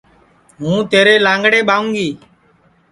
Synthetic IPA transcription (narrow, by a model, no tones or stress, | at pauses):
ɦũːt̪eːɾeːlãːŋɡɽeːɓaːũːŋɡiː